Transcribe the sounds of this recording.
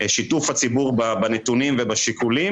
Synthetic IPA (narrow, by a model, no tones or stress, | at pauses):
ʃit̪ufat͡sibuʁbabanet̪unimvebaʃikulim